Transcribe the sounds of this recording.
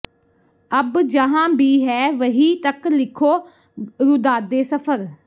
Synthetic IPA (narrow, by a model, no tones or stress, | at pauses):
əbd͡ʒəɦãːbiːɦɛːʋəɦiːt̪əklɪkʰoː | ɾʊd̪aːd̪eːsəpʰəɾ